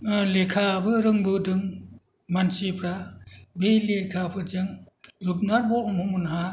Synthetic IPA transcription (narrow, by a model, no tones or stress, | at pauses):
lekʰabɯɾɯŋbɯdɯŋ | mansipʰɾabejlekʰapʰɯd͡ʒɯŋ | ɾup̚naɾbɔŋhumunɦa